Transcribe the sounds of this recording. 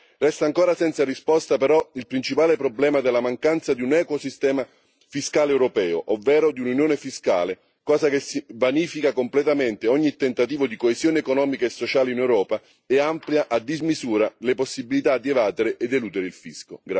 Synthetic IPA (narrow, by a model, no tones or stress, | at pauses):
rɛst̪aːŋkoːɾasɛnt̪saɾispɔst̪apeɾɔilpɾint͡ʃipaːlepɾoblɛːmad̪elːamaŋkant̪sad̪iunɛːkosist̪ɛːma | fiskaːleɛwɾopɛːo̰ʔovːɛːɾod̪iununjoːnefiska̰ːle | kɔːzak̟esibaniːfikakomplɛt̪ament̪eɔɲːit̪ːent̪at̪iːvod̪ikoezjoːneːkonɔːmikaesːot͡ʃaːleinewɾɔːpa | ɛampljaʔad̪ːizmizuːɾaleposːibilit̪ad̪ievaːt̪eɾeʔed̪eluːd̪eɾeilfiskoɡɾa